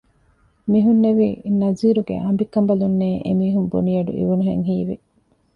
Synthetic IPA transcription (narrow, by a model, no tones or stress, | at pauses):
miɦunːeʋinɐziːɾuɡḛʔɐmbikːɐmbɐlunːeːʔemiːɦumbṵnijɐɖṵʔḭʋunuɦeŋɦiːʋḭ